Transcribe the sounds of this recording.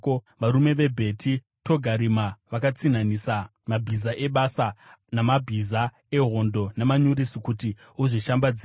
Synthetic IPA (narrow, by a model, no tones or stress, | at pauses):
oʋaɾume̞ʋe̞bʱe̞tʰi | to̞ɡʱaɾimaʋakat͡sinanisa | mabʱizaʔe̞ɓasanamabʱiza | e̞ɦo̞ndo̞nemaɲuɾisikuti | uʐiʃambad͡zi